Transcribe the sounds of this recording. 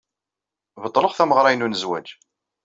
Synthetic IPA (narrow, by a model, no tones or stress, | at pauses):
vət̪ˤːləχθæməʁɾˤɑjnunəzwæ̰d͡ʒ